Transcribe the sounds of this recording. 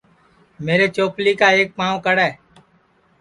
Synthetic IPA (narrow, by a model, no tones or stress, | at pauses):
meːɾeːt͡ʃoːpliːkaːeːk̚paːʋkəɽɛː